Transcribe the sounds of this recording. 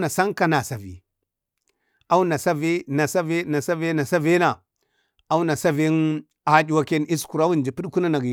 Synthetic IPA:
na˨sa˦ŋka˦na˨sa˨vḭ˨ | a˦wu˦na˨sa˦ve˦na˨sa˦ve˦na˨sa˦ve˦na˨sa˦ve˦na˨ | a˦wu˦na˨sa˦ve˦n | a˨˦d͡ʒi˨wa˦ke˦ni˦sku˨ɾa˦wu˦n˨d͡ʒi˨pi˦ɗku˦na˦na˨ɡ

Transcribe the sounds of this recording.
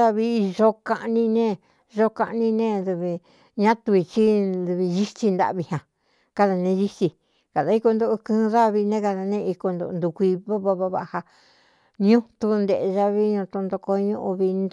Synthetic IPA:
a˧βi˧ʒo˦ka˧ʔnĩ˧nẽ˦˧ | ʒo˦ka˧ʔnĩ˧nẽ˦˧ðu˧βi˧ | ɲã˦t̪u˧i˧t͡ʃi˦ðu˧βi˧ʒi˦t͡ʃi˧nd̪a̰˧˨βi˧hã˨ | ka˧ða˨nẽ˧ʒi˦t͡ʃi˧ | ka˨ða˨˧i˦ko˧nd̪o˧ʔu˧kɨ̃ː˦˧ða˦˧βi˧nẽ˦ka˧ða˧nẽ˦˧i˧ko˧nd̪o̰˧ʔnd̪u˧kʷi˧βa˦βa˧βa˧βa̰˧ʔha˧ | ɲũ˦t̪u˧nd̪e˨˧ʒa˧βi˦ɲũ˧t̪u˧nd̪o˧ko˧ɲũ˦˧ʔu˧βi˧n

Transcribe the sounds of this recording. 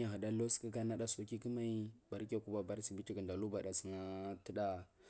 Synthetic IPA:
a˨ɦa˨da˦lo˦ski˦ɡa˦na˦ɗa˦so˨ki˦ki˦ma˦i˦ba˨ɾʲa˨ku˦ba˨ba˨ɾsi˨bi˦ti˦ki˨nda˨lu˦ba˨ɗa˨si˨na˦ti˦ɗa˦

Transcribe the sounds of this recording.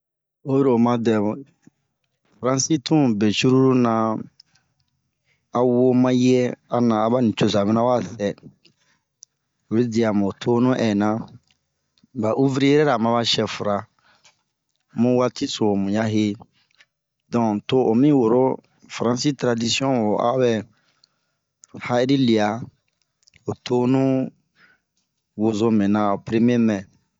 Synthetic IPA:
o˦jɾo˨mã˦dɛ˨ | fɾã˦si˦tũ˦be˨t͡ʃu˦ɾu˦ɾu˦nã˨ | a˨wo˦mã˦jɛ˦a˨nã˨a˦ba˦nĩ˨t͡ʃo˨sa˨bɛ˦nã˦wa˦˨sɛ˨ | o˨ɾe˦di˨a˨mõ˨tʰo˦nũ˦ʔɛ˨nã˦ | ba˨ʔu˦vɾi˦jɛ˦ɾɛ˦ɾa˨mã˦βa˦ʃɛ˨fu˨ɾa˨ | mũ˦wa˦ti˦so˨mũ˨ja˦ɦe˦ | dɔ̃˨to˦o˨mĩ˦wo˨ɾo˦ | fɾã˨si˦tɾa˨di˦si˦ɔ̃˦wo˨ʔa̰˦bɛ˦ | ha˦i˦ɾi˦li˨a˨ | o˨tʰo˦nũ˦ | wo˨zo˦mɛ̃˨nã˨o˨pɾe˦m˦e˦mɛ̃˨

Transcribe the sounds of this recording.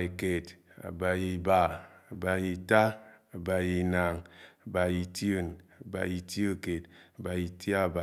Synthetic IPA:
i˨ke˨t | a̰˨ba˨ji˨ba˨a˨ba˨ji˨ta˦a˨ba˨ji˨na˨ŋa˨ba˨ji˨ti˦o˦na˨ba̰˨ji˨ti˦o˦ke˨ta˨ba˨ji˨ti˦a˦˨ba˨

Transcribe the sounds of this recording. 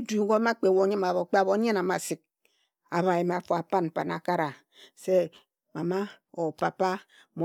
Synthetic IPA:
du˨˦ɡo˦ma˦k͡pe˨wo˦ɲi˦ma˨βo˨k͡pe˦a˨βo˨˦ɲe˦na˨ma˨si˨k̚ | a˨βa˨ji˨m˨a˨fu˨a˨pa˦n˨pa˨na̰˨ka˦ɾa˨ | se˦ | ma˨ma˦o˨pa˨pa˦ | mo˨

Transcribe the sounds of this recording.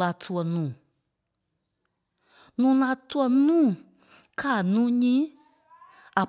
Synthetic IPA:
a˧tʰu˧ɔ˧nũː˨ | nũː˨˦la˧tu˦ɔ˧nũː˦˨ | kʰa˦˨nũː˦ɲĩ˦ | a˨

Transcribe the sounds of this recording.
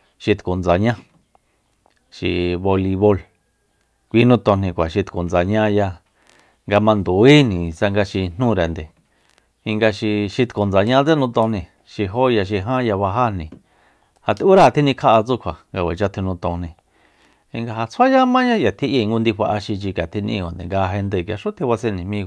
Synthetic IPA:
ʃi˧t̪ku˨nd͡za˨ɲã˦ | ʃḭ˧βo˧li˧βo˧l | kʷi˧˦nũ˧˦˧t̪õ˧nĩ˧kʷa˨ʃi˧t̪ku˨nd͡za˨ɲã˦ja˧ | ŋɡa˧mã˧nd̪u˨i˦nĩ˨sa˧ŋɡa˧ʃi˧n̥ũ˦˧ɾe˨nd̪e˨ | i˧ŋɡa˧ʃi˧ʃi˧t̪ku˨nd͡za˨ɲã˦t͡se˦nũ˧t̪õ˧nĩ˧ | ʃi˧ɦo˦ja˧ʃ̬i˧ɦã˦ja˧βa˧ɦa˦nĩ˨ | ha˨t̪u˦ɾa˦˨˧t̪ʰi˦nĩ˧kʰa˦ʔa˧t͡su˦˧kʷʰa˨ŋɡa˧wʷe˨t͡ʃa˧t̪ʰu˧nũ˧t̪õ˧nĩ˧ | i˧ŋɡa˧ɦa˧t͡sʰa˦ja˦mã˦jã˦ja˨t̪ʰi˦ʔi˧˨˧ŋɡu˦nd̪i˧ɸa˧ʔa˧ʃi˧t͡ʃi˧ka˨t̪ʰi˧nḭ̃˧kʷa˨nd̪ḛ˨ŋɡa˧ɦe˧nd̪e˧˨kʲa˧ʂu˦t̪ʰi˧βa˧se˦˧nĩ˨mĩ˦˧˨

